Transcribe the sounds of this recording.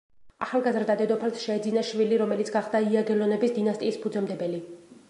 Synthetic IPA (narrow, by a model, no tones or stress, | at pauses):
a̰χalˠɡazɾd̪ad̪ɛd̪ɔpʰalsʃɛːd̪zinaʃviliɾɔmɛlit̪sʰɡaχd̪aiaɡɛlɔnɛbisd̪inast̪ʼiːspʰud̪zɛmd̪ɛbɛli